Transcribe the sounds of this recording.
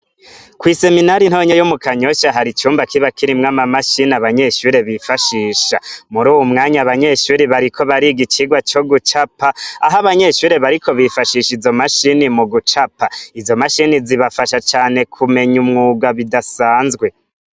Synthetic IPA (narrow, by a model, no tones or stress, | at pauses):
kwise̞minaɾin̥hoɲajomukaɲo̞ʃaɦaɾit͡ʃuːmbakiβakiɾimŋamamaʃinaβaɲe̞ʃuːɾe̞βifaʃiːʃamuɾuːwumŋaːɲaβaɲe̞ʃuːɾiβaɾikʰo̞βaɾiɡit͡ʃiɡwat͡ʃo̞ɡut͡ʃapaːɦaβaɲe̞ʃuːɾe̞βaɾikʰo̞βifaʃiʃizo̞maʃinimuɡut͡ʃapaizo̞maʃiniziβafaʃat͡ʃaːne̞kʰume̞ɲumŋuːɡaβidasaːnzɡwe̞